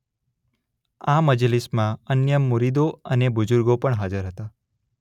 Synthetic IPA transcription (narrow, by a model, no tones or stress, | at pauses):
aməd͡ʒlismãənjəmːuɾid̪oənebʊd͡ʒʊɾɡopəɳɦad͡ʒəɾɦət̪a